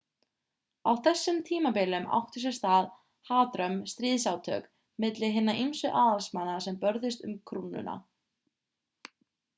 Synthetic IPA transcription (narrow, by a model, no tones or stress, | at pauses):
awθɛsːʏmt̪ʰiːmapɪlʏma̰wht̪ʏ̥sɛ̥st̪að | haːt̪ɾœmst̪ɾiːðsawt̪ʰœ̰ːk | mɪt̪lɪɦɪnːaʔimsʏʔaːðalsmanːasɛmpœɾðɪst̪ʏmkʰɾuːnʏ̰na̰